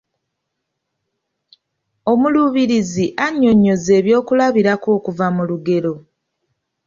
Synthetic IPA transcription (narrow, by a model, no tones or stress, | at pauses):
o̞muluβiɾiziʔaɲːo̞ɲːo̞ze̞ːβjo̞ːkulaβiɾako̞ːkuvamuluɡe̞ɾo̞